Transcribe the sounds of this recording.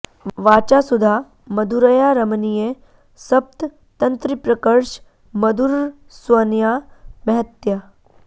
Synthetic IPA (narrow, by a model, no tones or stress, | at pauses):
ʋaːt͡ʃasud̪ʱa | mɐd̪ʱuɾɐjaɾɐmnije | sɐp̚t̪ | t̪ɐ̃nt̪ɾipɾɐkəɾʃ | mɐd̪ʱuɾ | swɐnjaːmɐɦət̪ja